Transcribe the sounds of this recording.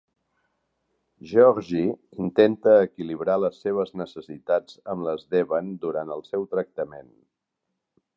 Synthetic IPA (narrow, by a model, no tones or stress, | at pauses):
ʒɔɾʒiint̪ent̪əːkiliβɾaləsːeβ̞əznəsəsit̪ad͡zəmləzðɛβənd̪uɾant̪əlˠsɛwt̪ɾək̚t̪əmen